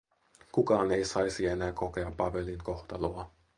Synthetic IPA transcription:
kukɑːne̞jsɑjsienæːko̞ke̞ɑpːɑpe̞liŋko̞xt̪ɑloɑ

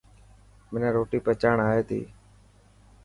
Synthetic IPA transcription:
mɪnẽːɾoːʈiːpeːt͡ʃaːɳaːeːt̪ḭː

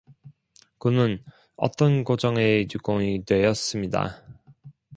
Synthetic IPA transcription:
kɯnɯn | ʌ̰t͈ʌnkod͡ʑʌŋet͡ɕuɡ͈oŋidwe̞jʌs͈ɯmɲida̰

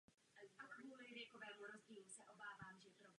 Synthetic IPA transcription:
akvuːlɪvjɛkovɛːmuɾo̞zɟiːlusɛʔo̞baːvaːmʒɛpɾo

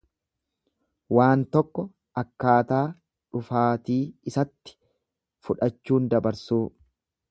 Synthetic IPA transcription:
waːnt̪ɔkːɔ | ɐkːaːt̪aː | ᶑʊfaːt̪iːɪsɐt̪ːɪ̥ | fʊᶑɐt͡ʃːuːnd̪ɐbɐɾsuː

